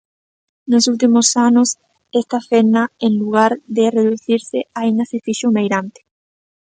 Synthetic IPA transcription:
nosult̪̬imosanʊs | ɛst̪afenɐeŋluɣaɾðɪreðuθiɾsɪaind̪ɐsefiʃomejɾant̪ɪ̥

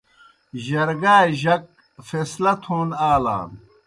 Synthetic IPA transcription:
ʑɐɾɡaːʑɐk̚ | feːslɐt̪ʰoːnaːla̰ːn

